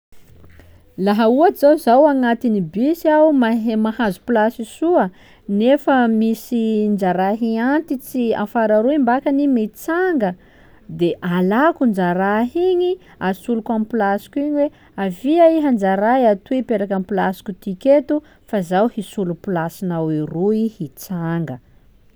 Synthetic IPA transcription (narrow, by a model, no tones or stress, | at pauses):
laɦəuad͡zawzawaŋat̪inibisiawmamahazu̥pilasisuə | nefəmisind͡ʒaɾaɦiant̪it͡sia̰faɾaɾuimbakanimet͡saŋɡə | d̪eʔalakund͡ʒaɾaɦiɲi | asulukamipilasi̥kuiɲiwe | aviaiɦand͡ʒaɾajat̪uipeɾakampilasi̥kʲut̪iket̪u | fazawhisulupilasinawiruihit͡saŋɡə